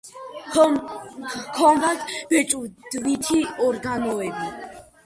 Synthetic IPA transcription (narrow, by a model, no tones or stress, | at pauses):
kʰɔmvat̪b̥ɛt͡ʃʼud̪̥vit̪ʰiɔɾɡanɔɛbi